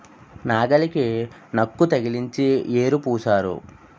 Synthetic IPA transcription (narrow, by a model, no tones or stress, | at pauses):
naːɡɐliki | nɐkːut̪ɐɡiliɲt͡ʃieːɾupuːsaːɾṵ